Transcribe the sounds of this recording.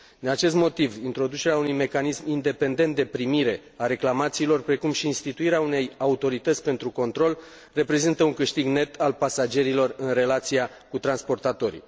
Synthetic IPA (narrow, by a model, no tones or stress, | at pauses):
d̪inat͡ʃe̞s̬t̪mo̞t̪ivint̪ɾo̞d̪ut͡ʃe̞ɾeaunujme̞kanismind̪e̞pe̞nd̪e̞nt̪̚d̪e̞pɾimiɾe̞ | aɾe̞klamat̪siːlo̞rpɾe̞kumʃiːnst̪it̪uiɾeaune̞jaut̪o̞ɾit̪ət̪sʲpe̞nt̪ɾuko̞nt̪ɾo̞l | re̞pɾe̞zint̪əuŋkɨʃt̪iɡne̞t̪ʰalpasad͡ʒe̞ɾilo̞rɨnre̞lat̪sija | kut̪ɾanspo̞rt̪at̪o̞ɾḭ